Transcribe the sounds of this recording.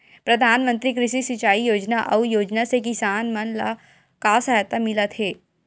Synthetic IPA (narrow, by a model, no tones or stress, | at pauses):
pɾɐd̪ʱaːnmə̃nt̪ɾik̬ɾɪʃisɪt͡ʃaːijoːd͡ʒnaʔɐ̰ujoːd͡ʒnasekɪsaːnmɐnla̰ | kasɐɦat̪amɪlat̪ʰeː